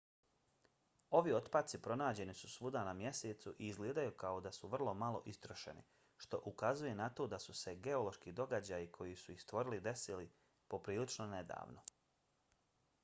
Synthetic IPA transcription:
o̞ʋio̞t̪pat̪sipɾo̞naːd͡ʑe̞nisusʋud̪anamje̞se̞ːt̪suʔiːzɡleːd̪ajukao̞d̪asuʋr̩lˠo̞malˠo̞̰ʔist̪ɾoʃe̞̰nḭ | ʃt̪o̞̰ʔukazuje̞nat̪o̞ːd̪asuse̞ɡe̞o̞lˠo̞ʃkid̪o̞ɡad͡ʑajikʰo̞jisuixst̪ʋo̞ɾilid̪e̞sili | po̞pɾiːlit͡ʃnone̞d̪a̰ːʋno̞

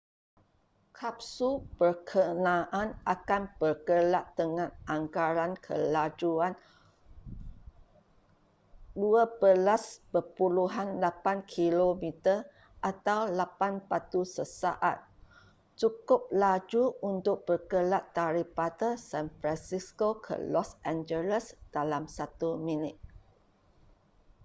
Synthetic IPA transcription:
kʰap̚supərkʰənãʔanʔakanpərkəlaʔt̪əŋãnʔaŋkaɾankʰə̰lad͡ʒuan | duabəlaspəpuluɦanlapankʰilomĩt̪ər | ʔat̪awlapanpat̪usəsa̰ʔa̰t̪̚ | t͡ʃukʊp̚lad͡ʒuunt̪ʊk̚b̥ərkəlaʔt̪ːaɾipat̪əsɛ̃nfɾansiskokʰə̰lɔsʔɛ̃nd͡ʒələsd̥alamsat̪umĩnɪt̪̚

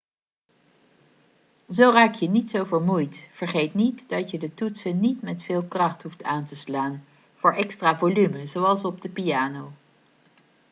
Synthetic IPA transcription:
zowraːkjənitsowvəɹmujtv̥əɹχejtnitdɑtjədətutsənːitmɛtfɪːlˠkrɑχtɦuftʰaːntəslaːn | v̥ʊːɹʔɛkstraːvolyməzowɑlˠsɔb̚dəpiaːnow

